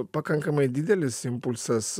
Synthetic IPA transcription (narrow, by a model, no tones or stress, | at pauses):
pakaŋkəmajd̪id̪elesimpulsas